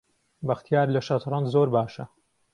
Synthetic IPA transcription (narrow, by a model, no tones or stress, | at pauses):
bɐxt̪ʰijaːɾlɐʃɐt̪ɾˤɑnd̪zoːɾbaːʃɐ